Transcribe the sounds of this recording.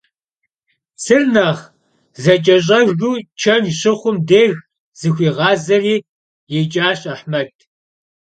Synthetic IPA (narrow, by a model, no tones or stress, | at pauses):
sɨrnaːʁ | zɐt͡ʃʼɐɕ̬ʼɐʒɣuːt͡ʃʰɐnɕɪχʷʊmdeːɣ | z̥ɨxʷiːʁɑːzɐriː | jɛt͡ʃʼaːɕʼɐħmɐtʰ